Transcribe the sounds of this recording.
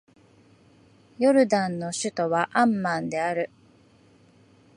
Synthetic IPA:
jo̞ɾɯ̟d̪ãnːo̞ɕɨt̪o̞βaʔãmːãnd̪e̞aɾɯ̟

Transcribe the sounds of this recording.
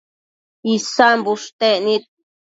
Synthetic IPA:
isambuʂt̪eʔnit̪̚

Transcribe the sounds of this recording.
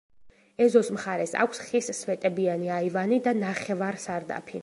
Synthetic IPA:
ɛzɔsmχaɾɛsa̰kʷʰsχissvɛt̪ʼɛbianiaivanid̪anaχɛvaɾsaɾd̪a̰pʰi

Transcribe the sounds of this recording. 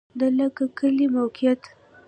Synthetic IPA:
d̪ələkakəlimawkijat̪

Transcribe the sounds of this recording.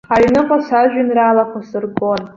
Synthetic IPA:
χaɥnɨqʷʼasaʒᶣʷanralaχʷʰasɨrɡo̞n

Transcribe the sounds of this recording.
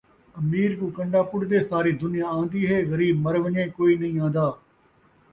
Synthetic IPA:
əmiːɾkũːkəɳɖaːpʊɽd̪eːsaːɾiːd̪ʊnɪjãːãːnd̪iːɦɛːɣəɾiːbməɾʋəɲẽːkoːiːnəɦĩːãːnd̪aː

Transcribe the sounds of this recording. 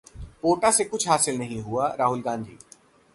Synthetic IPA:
poːʈasekʊt͡ʃʰɦaːsɪlnɐɦĩɦuaɾaːɦʊlɡãːnd̪ʱḭː

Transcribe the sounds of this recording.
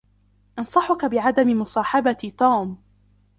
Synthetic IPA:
ʔɑnsˤɑħʊkabɪʕad̪amɪmʊsˤɑːħɑbat̪uːm

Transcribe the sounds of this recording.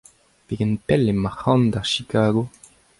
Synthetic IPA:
v̥eɡənpɛlemahɑ̃ndaʁʃikʰaːɡo

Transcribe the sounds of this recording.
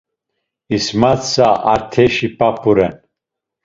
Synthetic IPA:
ismat̪saʔaɾt̪ʰɛʃipapʰuɾɛn

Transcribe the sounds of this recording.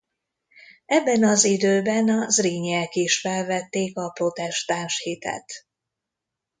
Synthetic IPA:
ɛbːɛnɒzid̪øːbɛnɒzriːɲɛkiʃfɛlvɛt̪ːeːkɒpro̞t̪ɛʃt̪aːnʃhit̪ɛ̰t̪

